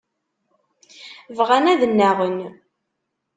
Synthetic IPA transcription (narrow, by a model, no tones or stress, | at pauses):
vʁænæðənːæʁən